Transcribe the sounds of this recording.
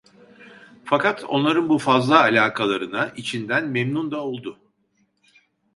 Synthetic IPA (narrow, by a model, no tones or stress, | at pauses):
fakat̪ʰo̞nlˠaɾɯnbufazlˠaːlʲaːkʰalˠaɾɯnaʔit͡ʃʰind̪ænmemnund̪ao̞lˠd̪ʊ